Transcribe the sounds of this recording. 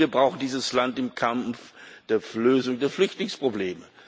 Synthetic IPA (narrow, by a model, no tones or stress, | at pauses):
iːɐbʁaʊxn̩diːzəslantɪmkʰamfd̥eːɐløːzʊŋdeːɐflʏçtlɪŋspʁ̥obleːmə